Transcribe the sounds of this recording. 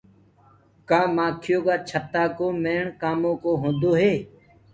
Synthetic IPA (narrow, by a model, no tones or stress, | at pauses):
kãːmãːkʰɪjoːɡaːt͡ʃʰət̪aːkoːmeːɳkaːmõːkoːɦõːnd̪oːɦeː